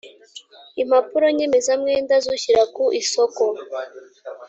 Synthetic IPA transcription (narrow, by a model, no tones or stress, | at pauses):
im̥hapuɾo̞ɲe̞me̞zamŋe̞ːndazuçiɾakuʔiso̞ko